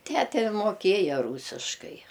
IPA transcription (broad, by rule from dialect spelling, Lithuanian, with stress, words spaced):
ˈtʲætʲɛ moːˈkʲeːjɛ ˈruːsʲɪʃkɐɪ